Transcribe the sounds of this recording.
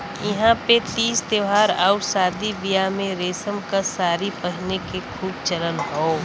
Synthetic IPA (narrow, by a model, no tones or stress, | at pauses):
jɪɦãpet̪iːst̪eʋaːɾaːʊsaːd̪ibijamẽɾeːsəmkasaːɾipəɦnekekʰuːbt͡ʃələnɦoː